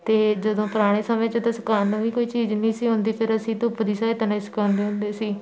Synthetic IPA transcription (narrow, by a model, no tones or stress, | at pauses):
t̪eːd͡ʒəd̪õːpʊɾaːɽ̃eːsəmẽːt͡ʃət̪əsəkaːnːũːʋiːkoːiːt͡ʃiːd͡ʒnĩːsiːɦʊ̃nd̪iːpʰɪɾəsĩːt̪oːpd̪iːsaːet̪ənaisə̥kãːnd̪eːɦʊ̃nd̪eːsiː